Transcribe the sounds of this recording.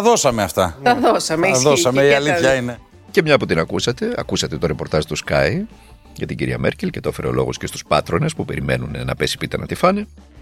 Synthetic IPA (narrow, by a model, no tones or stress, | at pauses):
ɐðo̞sɐmeɐft̪ɐt̪ɐðosɐmeððosɐmeiɐliθçɐine | ce̞mɲɐput̪inɐkusɐt̪e̞ɐ̰kusɐt̪et̪o̞ɾepo̞ɾt̪ɐzt̪uskɐj | ʝɐt̪iɟiɾiɐ̰mʔe̞̰ɾcelce̞t̪ofe̞ɾeolo̞̰ɣo̞̰scest̪u̥spɐt̪ɾo̞ne̞spupe̞ɾime̞̰nunnɐpe̞si̥pit̪ɐnɐt̪ifɐne